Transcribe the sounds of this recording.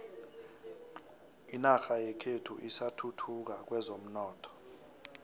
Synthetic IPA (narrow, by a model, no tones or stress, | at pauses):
inaxajɛkʰetʰuʔisatʰutʰuk̬ak̬wɛzom̩nɔːtʰɔ̥